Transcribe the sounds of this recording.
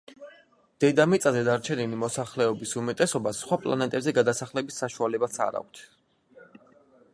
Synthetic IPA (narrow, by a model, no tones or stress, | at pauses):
d̪̥ɛd̪amit̪sʼazɛd̪aɾt͡ʃʰɛnilimɔsaχlɛɔbisumɛt̪ʼɛsɔbasːχwapʼlˠa̰nɛt̪ʼɛbzɛɡad̪asaχlɛbisːaʃualɛbat̪sʰa̰ɾa̰k̚ʷʰt̪ʰ